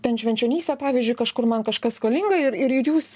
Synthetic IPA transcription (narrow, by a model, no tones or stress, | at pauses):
t̪ʲɛnʃʲʋʲɛnʲt͡ʃʲoːnʲiːsʲt̪ʲɛpɑːʋʲiːzʲd͡ʒʲʊɪkɐʃkʊrmɐnkɐʃkɐskɐlʲɪŋɡɐɪɾɪɾɪɾjuːs